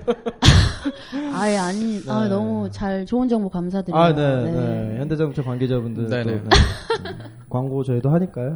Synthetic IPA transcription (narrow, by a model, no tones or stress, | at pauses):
aiaɲianʌmut͡ɕaɭt͡ɕoɯnd͡ʑʌŋbokamsʰadɯɾane̞ene̞çjʌnded͡ʑaɡut͡ɕʰopaŋɡed͡ʑabundɯtone | kwaŋɡot͡ɕʌidoɦaɲik͈ajo